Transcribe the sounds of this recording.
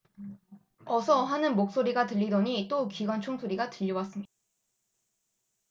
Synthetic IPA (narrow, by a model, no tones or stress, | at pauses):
ʌsʰʌɦanɯnmok̚s͈oɾiɡatɯʎːidʌɲit͈okiɡwant͡ɕʰoŋsʰoɾiɡatɯʎːiwas͈ɯmɲida